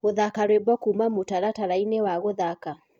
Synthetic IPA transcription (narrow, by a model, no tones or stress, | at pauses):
ɣoðakaɾwebɔkumamotaɾataɾainewaɣoðaka